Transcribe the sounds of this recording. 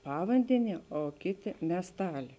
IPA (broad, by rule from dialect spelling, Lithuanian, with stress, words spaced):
ˈpɑːʋɐnʲdʲɛˌnʲiɛ oː ˈkʲeːˌtʲeː mʲiɛsˈtɑːlʲeː